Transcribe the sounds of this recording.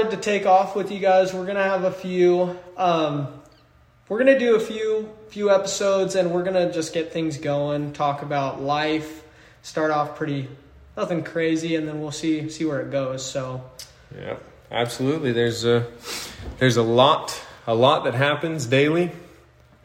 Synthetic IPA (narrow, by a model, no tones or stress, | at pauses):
ɨd̚tɨtʰeɪkɔfwɨðjɨɡaɪzwɪɹɡʌñɨəvəfjʉʌ̃m | wɪɹɡʌnɨdɨːfjʉfjʉɛpəsoʊdzɨ̃nwɪɹɡʌnɨd͡ʒʌsɡ̥ɛt̪̚θɪ̃ŋzɡoʊɪ̃ŋtʰɔkəbaʊtˡlaɪf | stɑɹɾɔfpʰɹ̥ɪɾi | nʌθɪ̃ŋkʰɹ̥eɪziɨ̃nðɨ̃nwilˠsisiwə˞ɨt̚ɡ̥oʊz̥soʊ | jæ̰ | ʔæ̰b̥səlutˡliðə˞z | ðə˞zəlɔtəlɔt̪̚ðɨt̚ɦæpɨ̃nzdeɪlˠi